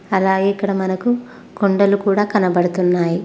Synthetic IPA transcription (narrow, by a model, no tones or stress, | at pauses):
ɐlaːɡeːikːɐɽɐmɐnɐku | ɡoɳɖɐlukuːɽaːkɐnɐbɐɽut̪unːaːji